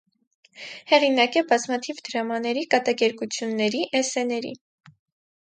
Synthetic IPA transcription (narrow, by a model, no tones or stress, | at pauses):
hɛʁinɑkɛbɑzmɑt̪ʰivd̪əɾɑmɑnɛɾikɑt̪ɑkɛɾkut͡sʰjunːɛɾiʔɛsɛnɛɾḭ